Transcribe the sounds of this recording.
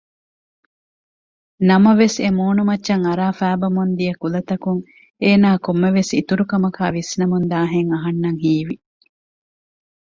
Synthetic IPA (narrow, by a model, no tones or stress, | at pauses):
nɐmɐʋesemoːnumɐtːʃɐŋɐɾaːfæːbɐmund̪ijɐkulɐt̪ɐkuŋ | eːnaːkomːeʋesit̪uɾukɐmɐkaːʋisnɐmund̪aːɦeŋɐɦɐnːɐŋɦiːʋi